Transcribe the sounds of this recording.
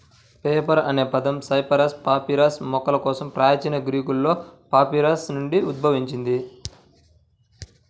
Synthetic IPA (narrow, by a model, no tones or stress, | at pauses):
peːpɐɾɐne̞ːpɐd̪ɐmsɐjpɐɾɐspaːpiɾaːsmɔkɐlɐkɔːsɐmpɾaːjɐt͡ʃɐnɐɡɾiːkulːo̞ːpaːpiɾaːsnuɳɖiud̪̚bʱɐʋiɲt͡ʃind̪i